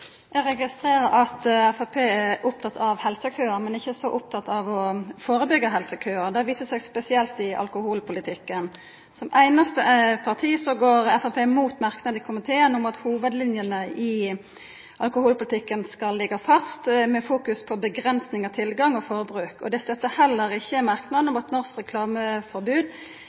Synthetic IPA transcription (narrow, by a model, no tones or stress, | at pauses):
ɛɾɛɡɪst̪ʁeːɾəɾɑt̪ɛfɑpʰeːɛʊp̚t̪ʰɑt̪ʰɑʋhɛlsəkʰœːəɾmɛnɪçːəsɔʔʊp̚t̪ʰɑt̪ːɑʋɔfoːɾəbʏɡːəɦɛlsəkʰœːəd̪ɛʋiːsəsɛɡspɛsɪɛlt̪ɪʔɑ̰lkʊhuːlpʰʊlɪt̪ʰɪkːən | sɔmʔæɪnɑst̪əpʰɑʁt̪ʰiːsɔɡoːɾɛfɑpʰeːmuːt̪mɑʁknɑd̪kʰʊmɪt̪ʰeːənʊmɑt̪huːʋəd̪lɪnjənəʔɪ | ʔɑlkʊhuːlpʊlɪt̪ʰɪkːənskɑlːɪɡɑfɑst̪mɛfuːkʉspʰɔbəɡɾɛnsnɪŋɑt̪ʰɪlɡɑŋɔfoːɾəbɾʉːkɔ̰d̪ɛst̪œt̪ːəhɛlːəɾɪçːəmɑɾknɑd̪nɔmut̪nɔɾskʁɛkʰlɑːməfɔɾbʉːd̪